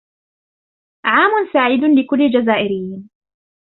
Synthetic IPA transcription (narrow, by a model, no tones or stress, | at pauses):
ʕaːmʊnsaʕiːd̪ʊnlɪkʊlːɪd͡ʒazaːʔɪɾɪjːin